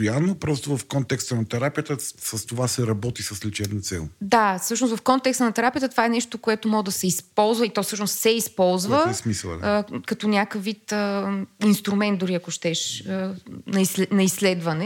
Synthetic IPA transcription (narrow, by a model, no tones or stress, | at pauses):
janːopɾɔst̪ovɐfkɔnt̪ɛkst̪ənɐt̪ɛɾapijət̪əsɐst̪ovasɛɾɐbɔt̪isəslit͡ʃɛbnɐt̪sɛ̰lˠd̪asɤʃnosvɐfkɔnt̪ɛkst̪ənɐt̪ɛɾapijət̪ət̪ovaɛnɛʃt̪okoɛt̪omɔɡd̪ɐsɛispɔlˠzvɐit̪ɔfsɤʃnost̪sɛispɔlˠzvəɛsmislˠɐ̰d̪kɐt̪ɔnʲjakəvvit̪əinst̪ɾumɛnt̪d̪ʊɾiɐkoʃt̪ɛʃənɐislnɐisːlɛd̪vɐnɛ